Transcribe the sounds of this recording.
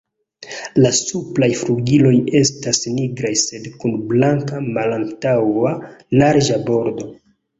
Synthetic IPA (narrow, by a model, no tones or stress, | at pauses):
lasuplajfluɡilo̞je̞stasniɡɾajse̞dkunblaŋkamalantawanaɾʒabo̞ɾdo̞